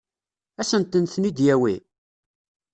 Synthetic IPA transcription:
æsənt̪ːənθnid̪jæwi

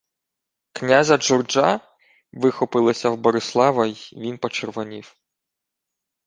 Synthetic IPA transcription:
knʲazɐd͡ʒɔrd͡ʒɑ | ʋɪxɔpɪlˠɐsʲɐwbɔɾɪslˠɑʋɐjʋʲinpɔt͡ʃerʋɔnʲiw

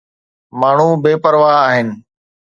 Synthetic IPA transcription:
maːɳ̤ubeːpəɾʋaːaːɦɪnɪ̆

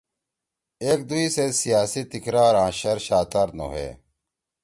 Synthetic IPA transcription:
eːk̚d̪uisesijaːsit̪ikɾaːɾãːɕɐɾɕaːt̪aːɾno̰ɦḛː

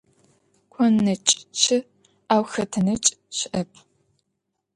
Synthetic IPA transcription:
kʷʰɔnːɐt͡ʃʼt͡ʃʰɪ | aːwxɐtʰɐnɐt͡ʃʼɕɪʔɐpʰ

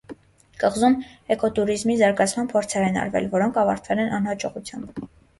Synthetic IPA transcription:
kəʁzumɛkɔt̪uɾizmizɑɾɡɑt͡sʰmɑnpʰɔɾt͡sʰɛɾɛnɑ̰ɾvɛ̰lvɔɾɔŋkʰɑvɑɾt̪ʰvɛlɛnɑnhɑt͡ʃɔʁut͡sʰjɑmb

